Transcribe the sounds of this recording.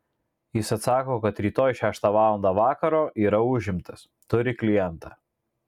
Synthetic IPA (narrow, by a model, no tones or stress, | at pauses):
jɪsɐt̪sɑːkoːkɐt̪ɾʲiːt̪oːjʃʲæːʃt̪ɑːʋɑːlˠɔnd̪ɑːʋɑːkɐɾoːʔiːɾɐʊʒʲɪmt̪ɐs | t̪ʊɾʲɪklʲɪjɛnt̪ɑ